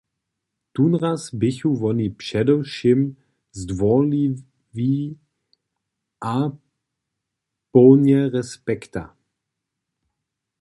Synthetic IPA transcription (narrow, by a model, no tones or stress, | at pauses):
tunʁasbɪçuvɔnipʃɛdɔwʃɪm | zdvɔli | vi | ʔa | pɔwnjɛʁɛspɛkta̰